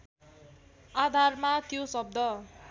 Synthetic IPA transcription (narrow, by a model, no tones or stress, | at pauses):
ad̪ʱarmat̪josʌb̚d̪ʌ